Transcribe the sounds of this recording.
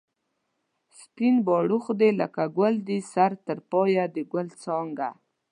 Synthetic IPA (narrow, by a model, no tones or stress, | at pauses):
spinbɔɽuxd̪elə̰kaɡəld̪isaɾt̪əɾpɑjad̪əɡwəlt͡sɑŋɡa̰